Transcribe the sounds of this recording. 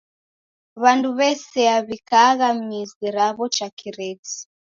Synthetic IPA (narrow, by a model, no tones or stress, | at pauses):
βanduβɛsɛaβikaɣamiziɾaβɔt͡ʃakʰiɾɛd͡zi̥